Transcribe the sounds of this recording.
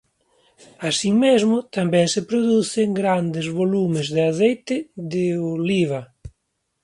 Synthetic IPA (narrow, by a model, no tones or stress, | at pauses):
asimezmʊt̪ambɛŋsɪpɾoðuθeŋɡɾand̪ɪzβolumɪzðɪaθejt̪ɪðɪoliβa